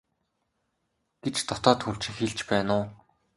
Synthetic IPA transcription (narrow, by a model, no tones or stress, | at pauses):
ɡ̥et͡ɕt̪ʰɔt̪ɔːt̪xur̥t͡ɕĭkxeɮt͡ɕpæːnʊː